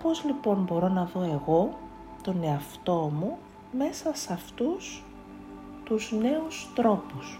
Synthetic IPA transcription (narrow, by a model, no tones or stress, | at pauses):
po̞zlipo̞nbo̞ɾo̞nɐðo̞e̞ɣo̞ | t̪o̞ne̞ɐft̪o̞mu | me̞sɐsɐft̪us | t̪uzne̞ust̪ɾo̞pus